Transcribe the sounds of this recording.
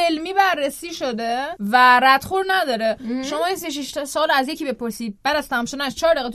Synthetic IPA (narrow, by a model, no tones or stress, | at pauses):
elmiːbærːesiːʃod̪evæɾæd̪̥χuɾnæd̪ɒːɾeʃo̞mɒːinseʃ̬iʃt̪sɒːlæzjecʰibe̞pʰoɾsiːd̪̚bæd̪æst̪æmʃod̪æʃt͡ʃʰɒːɾd̪eɣet̪